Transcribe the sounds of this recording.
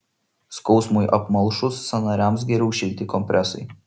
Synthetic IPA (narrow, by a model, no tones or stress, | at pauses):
skɒʊsmʊjʔɐpmɐlˠʃʊsːɐnɑːɾʲæˑmsɡʲɛɾʲɛʊʃʲɛlʲt̪ʲɪkɔmʲpʲɾʲʔɛsɐɪ